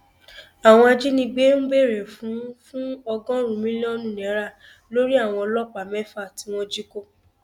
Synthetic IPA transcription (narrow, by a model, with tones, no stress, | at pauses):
a˨w̃ɔ̃˧a˧d͡ʒi˦nĩ˧ɡ͡be˦n̩˦ɡ͡be˦˨ɾɛ˨fũ˨˦fũ˦ɔ˧ɡɔ̃˦ɾ̃ũ˨mĩ˦lɔ˦nũ˦˨nɛ̃˨˦ɾa˦˨ | lo˦ɾi˦a˦˨w̃ɔ̃˧ɔ˧lɔ˦k͡pa˨mɛ˦fa˦˨ti˨˦w̃ɔ̃˧d͡ʒi˦ko˦˨